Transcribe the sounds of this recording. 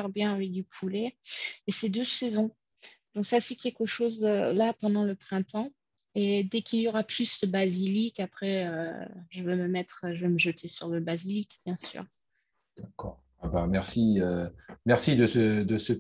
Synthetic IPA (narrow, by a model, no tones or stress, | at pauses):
ɛʁbjɛ̃avɛk̚d̪ypʰuleːsed̪øsezɔ̃ | d̪̥ɔ̃ksasɛkʲɛlkəʃozølapɑ̃d̪ɑ̃ləpχɛ̃t̪ɑ̃ | ed̪ɛkiljɔʁaplysd̪əbazilikapχɛøʒəvɛməmɛt̪χʒəvɛməʒət̪ʰesyʁləbazilikb̥jɛ̃sy̰ːʁ | d̪̥akɔ̰ːʁ | abamɛʁsiømɛʁsid̪əsəd̪əsə